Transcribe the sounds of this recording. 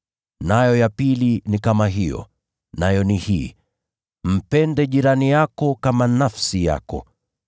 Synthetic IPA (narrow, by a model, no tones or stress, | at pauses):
najɔjapilinikamaɦijɔ̰ | najɔnihiː | m̩pɛndɛʄiɾanijakɔkamanafsija̰kɔ̰